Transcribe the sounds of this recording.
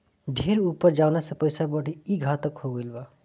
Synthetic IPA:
ɖʱeɾupːəɾd͡ʒaʊnasə̃pəjsabəɽ̤ʱiiɡʱat̪əkhoɡəjlba

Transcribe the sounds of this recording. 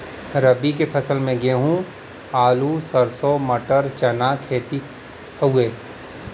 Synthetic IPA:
ɾəbik̬epʰɐsəlmẽɡeɦũː | aːlusəɾsomɐʈəɾt͡ʃɐnakʰeːt̪i | əueː

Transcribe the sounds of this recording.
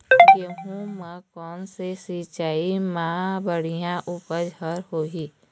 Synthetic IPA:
keɦũmə̃kɔːnsesit͡ʃaːimãːbəɽ̤ijãʔupəd͡ʒəɾɦoːɦiː

